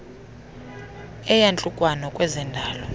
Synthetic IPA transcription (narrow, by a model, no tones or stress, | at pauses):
ɛjant͡ɬʼukʼwanɔkʼwɛzɛndʱaːlɔ